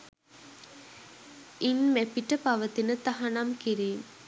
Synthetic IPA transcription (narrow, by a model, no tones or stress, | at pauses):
inmæpiʈəpaʋət̪inət̪aɦanamkiɾiːm